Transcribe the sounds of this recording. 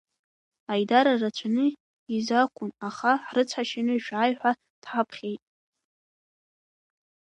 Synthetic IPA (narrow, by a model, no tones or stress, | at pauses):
ajdaɾarat͡ʃʷʰanɨ | izakʷʰʼʊnaχarɨt͡sʷʰħaʃɪnɨʃᶣajħᶣʷa | d̥ħapʰχʲejtʼ